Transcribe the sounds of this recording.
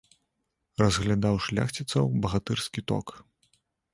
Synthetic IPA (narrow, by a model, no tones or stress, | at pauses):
rɐzɣlʲad̪awʂlʲa̰xt͡sʲit̪sɐwbɐɣat̪ɨrskʲit̪ɔ̰k